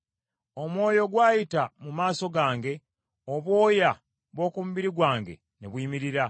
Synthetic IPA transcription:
o̞mwo̞ːjo̞ɡwaːjitamumaːso̞ɡaːŋɡe̞ | oβwo̞ːja | βwo̞ːkumuβiɾiɡwaːŋɡe̞̰ | neβwiːmiɾiɾa

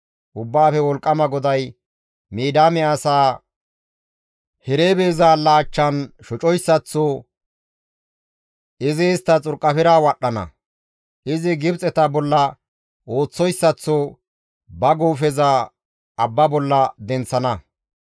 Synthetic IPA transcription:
ʔʊbːaːfɛwɔlkʼːɐmɐɡɔd̪ɐj | miːd̪aːmɛɐsaː | hɛɾeːbeːzaːlːaːt͡ʃːɐnʃɔt͡ʃʼɔjsːɐt͡sːɔ | ɪzeːst̪ːɐt͡sʼʊɾkʼːɐfɪɾaːwɐɗːɐnɐ̰ | ʔɪzɪɡɪbt͡sʼɛt̪ɐbɔlːɐ | ʔo̞ːt͡sːɔjsːɐt͡sːɔ | bɐɡuːfɛza | ɐbːɐbɔlːɐd̪ɛnt͡sːɐnɐ

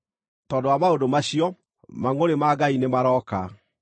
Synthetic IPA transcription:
tɔndowamaodomaɕiɔ | maŋoɾemaɡainemaɾɔːka̰

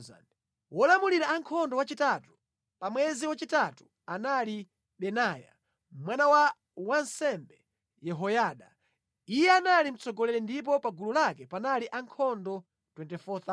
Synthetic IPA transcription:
za̰n | wɔlamuliɾaːŋkʰɔndɔwat͡ʃitatu̥ | pamwɛziwat͡ʃitatu̥ | anali | ɓɛnaja̰ | mwanawa | wansɛmbɛ | jɛɦɔjaɗa | ijɛanalim̩t͡sɔɡɔlɛlɛndip̬ɔpaɡululakɛpanaliʔaŋkʰɔndɔ | twɛntɛfɔt̪a

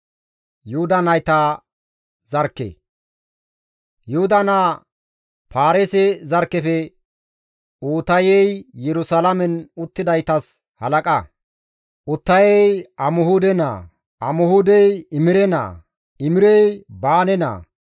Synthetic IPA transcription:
jʊhʊd̪ɐnɐjt̪a | z̥ɐɾkːɛ̰ | jʊhʊd̪ɐnaː | paːɾesɛzɐɾkːɛfɛ | uːt̪ɐjɛjjɛɾʊsalɐmɛnʊt̪ːɪd̪ɐjt̪ɐs | hɐlɐkʼɐ | ʔʊt̪ːɐjɛjɐmʊhud̪ɛna̰ː | ɐmɔhuːd̪ɛjɪmɪɾɛna̰ː | ɪmɪɾɛjbaːnɛna̰ː

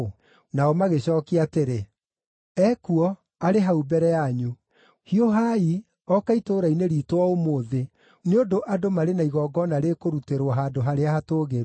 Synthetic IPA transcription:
naɔmaɣeɕɔːkiateɾe | ɛkuɔ | aɾeɦaubɛɾɛjaɲu | hioɦai | ɔkaitoːɾaineɾiːtwɔomoːðe | neondoʔadomaɾenaiɣɔːɡɔnaɾekoɾuteɾwɔɦaːdoɦaɾeahatoːɣeɾ

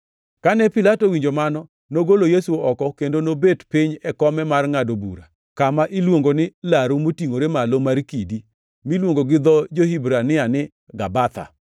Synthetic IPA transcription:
kanɛpɪlatowiɲd͡ʒomanɔ | noɡolojesuɔkɔkendonobetpiɲɛkɔmɛmarŋadobṵɾa | kamaʔilwoŋɡonɪlaɾumotiŋoɾemalomaɾkidi | milwoŋɡoɡɪd̪ɔd͡ʒohibɾanɪanɪ | ɡabat̪a̰

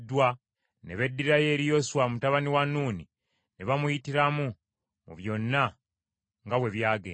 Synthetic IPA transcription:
dːwa | neβe̞dːiɾaje̞ːɾijo̞suwamutaβaniwanuːni | neβamujitiɾamu | muβjo̞nːa | ŋɡawe̞βjaːɡeː

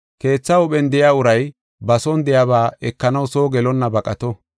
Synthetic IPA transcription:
ke̞ːt͡sːɐʊɓɛnd̪ɛjaʊɾɐj | bɐsɔnd̪ɛjaβaːʔɛkːɐnɐwso̞ːɡɛlɔnːɐbɐkʼɐt̪ɔ

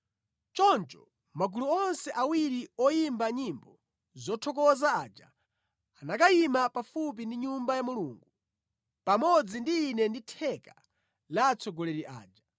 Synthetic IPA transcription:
t͡ʃɔnt͡ʃɔ | maɡuluɔnsɛʔawiɾiɔjimbaɲimbɔ | zɔtʰɔk̬ɔzaaːd͡ʒa | anakajimapafup̬indiɲumbajamuluːŋɡu | pamɔd͡zindiːnɛnditʰɛka | lat͡sʰɔɡɔlɛɾiʔa̰ːd͡ʒa

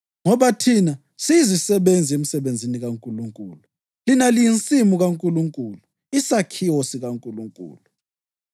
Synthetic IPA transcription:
ŋɔβatʰina | sizisɛɓend͡zʱiemisɛβend͡zʱiniɣaŋkʼuluŋkʼuːlu | linalijint͡sʼimuɣaŋkʼuluŋkʼuːlu | isakʰiosiɣaŋkʼuluŋkʼṵːlu

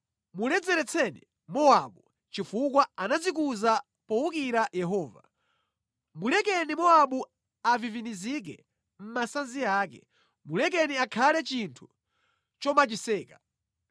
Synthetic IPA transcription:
mulɛd͡zɛɾɛt͡sʰɛnḭ | mɔaɓu | t͡ʃifukwaanad͡zik̬uza | pɔwukiɾajɛɦɔːva̰ | mulɛkɛnimɔaɓu | avivinizik̬ɛ̰ | m̩masanziaːkɛ̰ | mulɛk̬ɛniakʰalɛt͡ʃintʰu̥ | t͡ʃɔmat͡ʃisɛːka

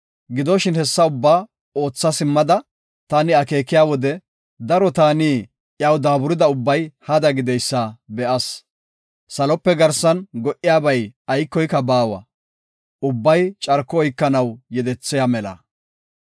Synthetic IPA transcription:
ɡɪd̪ɔʃɪnhɛsːɐʊbːaː | o̞ːt͡sːɐsɪmːɐd̪ɐ | t̪ɐnɪɐke̞ːkːɪjaːwɔd̪ɛ | d̪ɐɾɔt̪aːniː | ʔjɐwd̪aːbʊɾɪd̪ɐʊbːɐjhɐd̪ɐɡɪd̪ɛjsːɐbɛʔɐs | sɐlɔpːɛɡɐɾsɐnɡɔʔɪjaːbɐjɐjkːɔjkːɐbaːwɐ̰ | ʔʊbːɐjt͡ʃʼɐɾkːɔːjkːɐnɐwjɛd̪ɛt͡sːɪjamɛlɐ̰

